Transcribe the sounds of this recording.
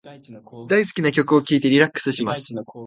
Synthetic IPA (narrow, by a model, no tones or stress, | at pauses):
d̪aisɨ̥kʲinakʲo̞kɯ̟o̞kʲiːt̪e̞ɾʲiɾakːɯ̥sɨɕimasɨ̥